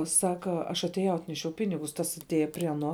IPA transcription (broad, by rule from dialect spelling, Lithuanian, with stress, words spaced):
ˈsɑːkɐ ɐʃ ɐtʲeːˈjɛʊ ˈɑːtʲnʲɛʃʲɛʊ ˈpʲɪnʲɪɡʊs ˈtɐs ɐtʲˈeːjɛ pʲrʲiɛ ɐˈnoː